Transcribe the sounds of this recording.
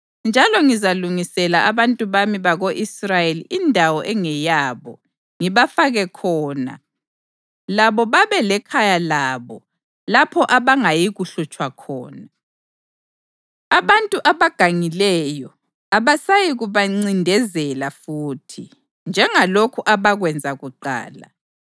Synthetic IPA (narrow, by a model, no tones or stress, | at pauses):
nd͡ʒʱalɔŋizaluŋisɛlaʔaβantʼuβamiβaɣoʔisrajeliʔindʱawɔʔɛŋɛjaːβɔ̰ | ŋiβafaɣɛkʰɔːna̰ | laβɔβaβɛlɛkʰajalaːβɔ | lapʰɔʔaβaŋajiɣuɬut͡ʃʼwakʰɔ̰ːna | aβantʼuʔaβaɡ̥ʱaŋilɛjɔ | aβasajiɣuβaŋ͡ǀindʱɛzɛlafuːtʰi | nd͡ʒʱɛŋalokʰuʔaβaɣwɛnd͡zʱaɣuǃa̰ːla̰